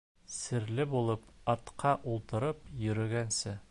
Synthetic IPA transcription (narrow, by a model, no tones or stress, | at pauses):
sɘ̆ɾlɘbulˠɤpɑt̪qɑʔulˠt̪ɤ̆ɾɤpjɵ̆ɾɵ̆ɡænsɘ